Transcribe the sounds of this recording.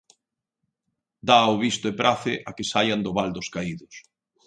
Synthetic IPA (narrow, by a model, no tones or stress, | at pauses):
d̪aːoβist̪ʊepɾʔaθɪʔakɪsajand̪ʊβald̪ʊskaiðʊs